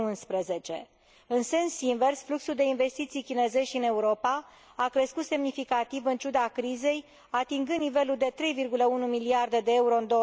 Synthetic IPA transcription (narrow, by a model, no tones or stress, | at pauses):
unspɾeze̞t͡ʃe̞̰ | ɨnse̞nsinve̞rsfluksuld̪e̞inve̞st̪it̪sijkʲine̞ze̞ʃiɨne̞uɾo̞pa | akɾe̞skut̪se̞mnifikat̪ivɨnt͡ʃud̪akɾize̞j | at̪iŋɡɨnnive̞luld̪e̞t̪ɾe̞jvirɡuləunumiliard̪e̞d̪e̞euɾoɨnd̪o